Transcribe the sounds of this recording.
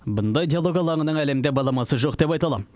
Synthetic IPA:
bʊnd̪ɑjd̪ijalˠoɡʲɑlˠɑɴənəɴæle̞md̪e̞bɑlˠɑmɑsəʒo̞qd̪e̞p̬ɑjt̪ɑlˠɑm

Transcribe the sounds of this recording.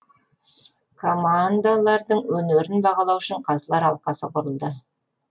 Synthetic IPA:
kʰo̞mand̪alˠɑɾd̪əɴwɵneɾɪnbɑʁɑlˠɑwʃɪɴqʰɑzəlˠɑɾɑlˠqɑsəqʰʊɾəlˠd̪ə

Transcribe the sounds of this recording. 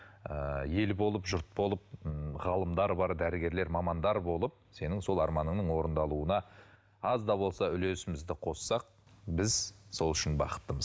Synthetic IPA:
əje̞lbo̞lˠəpʒʊɾt̪̚bo̞lˠəp̚ʁɑlˠəmd̪ɑɾbɑɾd̪æɾɪɡʲe̞ɾle̞ɾmɑmɑnd̪ɑɾbo̞lˠəp̚se̞nɪŋso̞lˠɑɾmɑnəɴnəɴwo̞ɾənd̪ɑlˠuənɑ | ɑzd̪ɑbo̞lˠsɑʏle̞sɪmɪzd̪ɪqʰo̞ssɑq̚bɪzso̞lˠʏʃɪnbɑqə̥t̪ːəməz

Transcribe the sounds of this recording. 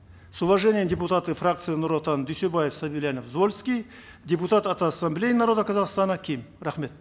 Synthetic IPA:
suvɐʐenʲɪjəmdʲeput̪at̪ɨfrakt̪sɨjinuɾot̪ɑnd̪yjsebajefsabilʲjanofzvolʲskʲij | dʲeput̪at̪at̪asːɐmblʲe̞jinaɾo̞d̪əkʰazɑʁst̪ɑnəkʲʰijmɾaχme̞t̪

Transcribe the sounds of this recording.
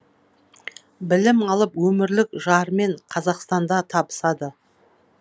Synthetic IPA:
bɪlɪmɑlˠəpwɵmɪɾlɪkʒɑɾme̞ɴqʰɑzɑqst̪ɑnd̪ɑt̪ʰɑbə̥sɑd̪ə

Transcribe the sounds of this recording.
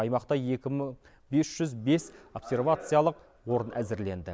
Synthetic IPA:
ɑjmɑqt̪ɑjekʲɪ | be̞sʒ̥ʏzbe̞so̞pse̞rvat̪sɨjalˠəq | wo̞ɾənʔæ̰zɪɾle̞nd̪ɪ̰

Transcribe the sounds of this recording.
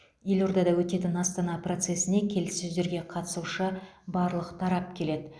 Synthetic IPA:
je̞lʲo̞ɾd̪ɑd̪ɑwɵt̪e̞t̪ɪnɑst̪ɑnɑpro̞t̪se̞sɪne̞kʲʰe̞lɪsːɪzd̪e̞ɾɡʲe̞qʰɑt̪ə̥suʃəbɑɾlˠəqt̪ʰɑɾɑp̚kʲʰe̞le̞d̪ɪ

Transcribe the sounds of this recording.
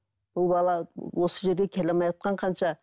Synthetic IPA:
b̥ʊlˠbɑlˠɑwo̞səʒe̞ɾɡ̪ʲekʲʰelemɑjɑt̪̚qɑɴqʰɑnʃɑ

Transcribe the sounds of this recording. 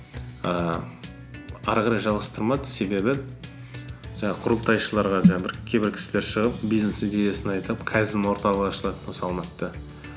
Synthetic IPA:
ə | ɑɾʁɑɾɑjʒɑlˠʁɑst̪əɾmɑd̪əse̞be̞bɪ | ʒɑɴɑqʰʊɾəlˠt̪ɑjʃəlˠɑɾʁɑʒɑɑbɪɾkʲʰe̞bɪɾkʲʰɪ̥sɪlʲeɾʃəʁəp̚bijznesid̪e̞je̞sɪnɑjt̪əpkʰæzɪd̪ɪnwo̞ɾt̪ɑlˠəʁɑʃəlˠɑt̪nosɑlˠmɑt̪ːə

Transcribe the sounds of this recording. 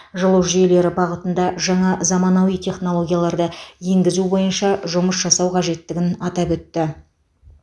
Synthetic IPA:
ʒəlˠəʒije̞le̞ɾɪbɑʁət̪ənd̪ɑʒɑɴɑzɑmɑnɑwijt̪ʲʰe̞χno̞lˠo̞ɡʲijalˠɑɾd̪əje̞ŋɡʲɪzubo̞jənʃɑʒʊməsʒɑsɑwqʰɑʒe̞t̪ːɪɡʲɪnɑt̪ɑpwɵt̪ːɪ

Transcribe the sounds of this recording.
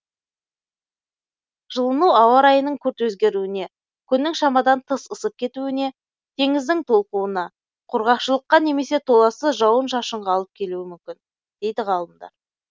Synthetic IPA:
ʒəlˠənuɑwɑɾɑjənəɴkʲʰɵɾt̪wɵzɡʲe̞ɾuɪne̞ | kʲʰʏnːɪŋʃɑmɑd̪ɑnt̪ʰəsəsəp̚kʲʰe̞t̪uɪne̞ | t̪ʰe̞ŋɪzd̪ɪŋt̪ʰo̞lˠquənɑ | qʰʊɾʁɑqʃəlˠəqːɑne̞me̞se̞t̪ʰo̞lˠɑsəʒɑwənʃɑʃəɴʁɑɑlˠəp̚kʲʰe̞luɪmʏmkʲɪn | d̪̥e̞jd̪ɪʁɑlˠəmd̪ɑ̰ɾ

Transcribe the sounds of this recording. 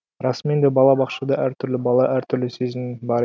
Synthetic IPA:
ɾɑsmend̪ebɑlˠɑbɑqʃɑd̪ɑʔæɾt̪ʰʏɾlɪbɑlˠɑʔæɾt̪ʰʏɾlɪsezɪnbɑɾ

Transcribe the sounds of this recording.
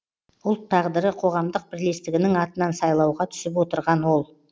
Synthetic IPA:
ʊlˠt̪ʰːɑʁd̪əɾəqʰo̞ʁɑmd̪əq̚bɪɾle̞st̪ɪɡʲɪnɪŋɑt̪ənɑnsɑjlˠɑwʁɑt̪ʰʏ̥sɪp̬wo̞t̪əɾʁɑnwo̞lˠ

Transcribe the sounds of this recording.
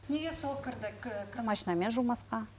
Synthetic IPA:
neɡʲesolˠkʲʰɪɾd̪ɪkʲʰkʲʰɪmɑʃinɑme̞nʒulˠmɑsqɑ

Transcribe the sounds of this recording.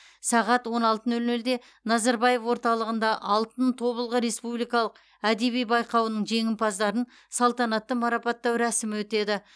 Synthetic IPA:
sɑʁɑt̪wo̞nɑlˠt̪ənɵlnɵld̪e̞ | nɑzɑɾbɑje̞fwo̞ɾt̪ɑlˠəʁənd̪ɑʔɑlˠt̪ənt̪ʰo̞βəlˠʁəɾe̞spublijkɑlˠəq | æd̪e̞βijbɑjqɑwənəɴʒe̞ŋɪmpʰɑzd̪ɑɾən | sɑlˠt̪ɑnɑt̪ːəmɑɾɑpɑt̪ːɑwɾæsɪmwɵt̪e̞d̪ɪ

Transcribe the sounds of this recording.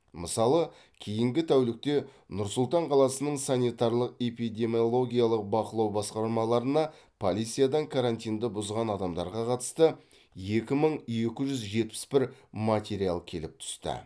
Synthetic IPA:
məsɑlˠə | kʲʰejɪŋɡʲɪt̪ʰæwlɪk̚t̪e̞nʊɾsʊlˠt̪ɑɴqʰɑlˠɑsənəɴsanʲijt̪ɑɾlˠəqe̞pijd̪e̞mijolˠo̞ɡʲijalˠəq̚bɑqəlˠɑwbɑsqɑɾmɑlˠɑɾənɑ | pʰolʲijt̪sijad̪ɑŋkʰaɾant̪ijnd̪əbʊzʁɑnɑd̪ɑmd̪ɑ̰ɾʁɑqʰɑt̪ə̥st̪ə | jekʲɪməɴe̞kʲɪʒʏzʒe̞t̪̚pɪ̥spɪɾmat̪ʲeɾijalˠkʲʰe̞lɪp̚t̪ʰʏ̥st̪ə̰

